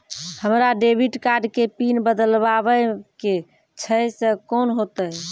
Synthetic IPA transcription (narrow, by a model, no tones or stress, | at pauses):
həmɾaɖebʱiʈkaɾɖkepinbəd̪əlbabəke | t͡ʃʰəjsə̃konɦot̪ə